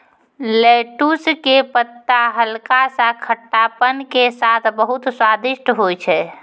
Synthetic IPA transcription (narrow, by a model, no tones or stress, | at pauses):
leʈuskepət̪ːaɦəlkasãkʰəʈːapənkesat̪ʰbəɦut̪swad̪iʃʈɦojt͡ʃʰɛ